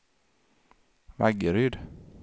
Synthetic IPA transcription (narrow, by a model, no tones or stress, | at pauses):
vaɡəɾʏd̪